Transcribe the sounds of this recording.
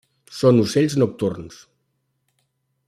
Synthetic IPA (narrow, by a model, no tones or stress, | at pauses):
sonuseʎznuk̚t̪urns